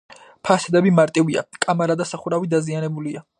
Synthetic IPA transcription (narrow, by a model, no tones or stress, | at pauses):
pʰasɛd̪ɛbimaɾt̪ʼivia̰kʼamaɾad̪asaχuɾavid̪azianɛbulia